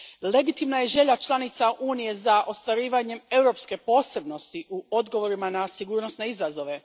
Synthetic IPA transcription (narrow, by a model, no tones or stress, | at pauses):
le̞ɡit̪imnaje̞ʒe̞ʎat͡ʃlˠanit̪saʔuːnije̞zaʔo̞st̪ʋaɾiːʋaɲe̞me̞wɾo̞pske̞po̞ːse̞bno̞st̪iʔuod̪ɡo̞ʋo̞ɾimanasiɡuːɾno̞sne̞izazo̞ʋe̞